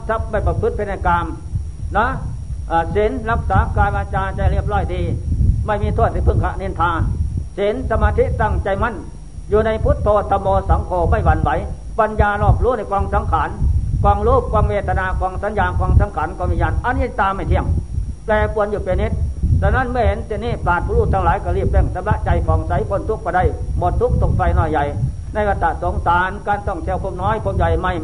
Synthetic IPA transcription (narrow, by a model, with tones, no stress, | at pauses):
sa˧˥p̚ma˧˥˩jpa˧pʰɯ˦˥t̪̚pʰe˧˩na˧˩kaː˧m | nɔ˦˥ | ʔaː˧˩se˨˦nla˧˥k̚saː˨˦kaː˧jbaː˧t͡ɕaː˧t͡ɕa˧jləp̚lɔː˧˩jdiː˧ma˧˥˩jmiː˧t̪ʰu˧˩ət̪̚ha˧˩pʰɯ˧˩ŋkʰa˧ʔne˧˨nt̪ʰaː˧nse˨˦nsa˧maː˧t̪ʰi˦˥t̪a˧˥˩ŋt͡ɕa˧jma˧˥˨n | juː˧na˧jpʰu˦˥t̪̚pʰːoː˧˩t̪ʰːa˧mɔː˧sa˨˦ŋkʰoː˨˧ma˧˩jwa˧nwa˨˦j | pa˧njaː˧lɔː˧˩p̚luː˧˥˨na˧˩jkɔː˧ŋsa˨˦mkʰaː˨˦˥nkɔː˧ŋluː˧˥˩k̚kʰːwaː˧ŋweː˧˩t̪ʰa˧naː˧kɔː˧ŋsa˨˦njaː˧kɔː˧ŋsa˨˧˦mkʰaː˨˥nkɔː˧˨miː˧˨ɲaː˧˩˨nʔa˧˨nːiː˧t̪aː˧mːa˥˩jt̪ʰi˧˩əŋplɛː˧pu˧ənjuː˧˩pe˧ni˦˥t̪̚sɛː˧na˧˥˨nmɯ˧ɐ˨he˨˦nsi˧˨niː˧˩plaː˨˩t̪̚puː˧˨luː˧˩t̪ʰːa˧ŋlaː˨˦jkɔ˧˩liː˧˩p̚le˧˩ŋsa˧˦mla˧˥ʔt͡ɕa˧jfʰɔː˨˦ŋsa˨˦jpʰo˧˩˨nt̪ʰu˦˥k̚kːɔː˧˩da˧˨jmɔ˧˩t̪ʰːu˦˥˩k̚t̪ʰo˧˩k̚fa˧jnɔː˧˩jːa˨˧˩j | na˧˥˩jba˧t̪ːa˧˨so˨˦ŋsaː˨˦nkaː˧nsɔ˧˩ŋt̪ʰi˧ə˨wpʰo˧˥˨m̚nɔː˦˥˨jpʰo˧˥p̚ja˨˧jma˧˩j